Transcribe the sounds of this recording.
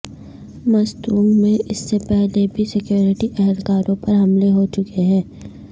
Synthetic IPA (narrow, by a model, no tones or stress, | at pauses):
mɐst̪uːŋɡmẽʔɪsːepɛɦlebʱisɪkjoːɾɪʈiʔɛɦɛlkaːɾõpɐɾɦɐmleɦot͡ʃʊkeɦɛ̃ː